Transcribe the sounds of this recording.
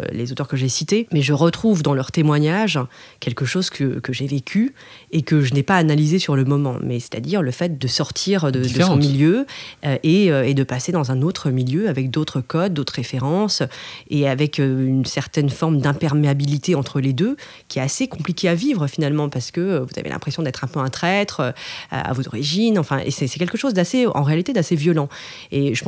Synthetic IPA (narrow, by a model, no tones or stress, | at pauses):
lḛzot̪œʁkəʒesit̪emɛʒəʁət̪χuvd̪ɑ̃lœʁt̪emwaɲaʒkʲɛlkəʃozkʰəkəʒevekʲʰy | ekəʒənɛpaːnalizesyʁləmɔmɑ̰̃mɛsɛ̥t̪ad̪iʁləfɛt̪̚d̪əsɔʁt̪ʰiʁd̪əd̪əsɔ̃miljøøʔeøed̪əpased̪ɑ̃zɛ̃not̪χəmiljøavɛk̚d̪ot̪χəkɔd̪̚ːot̪χʁefeʁɑ̃seavɛkøynsɛʁt̪ɛnfɔʁmd̪ɛ̃pɛʁmeabilit̪eɑ̃t̪χəled̪ø | kʲiɛt̪asekɔ̃plikʲeavivʁəfinalmɑ̃paʁsə̥kəvuz̥a̰vḛlʔɛ̰̃pχesjɔ̃d̪ɛt̪χɛ̃pøɛ̃t̪χɛt̪χøa̰a̰vozɔ̰ʁiʒinɑ̃fɛ̰̃ʔḛsɛsɛkʲɛlkəʃozd̪aseɑ̰̃ʁealit̪ed̪asevjɔlɑ̃ | eʒəp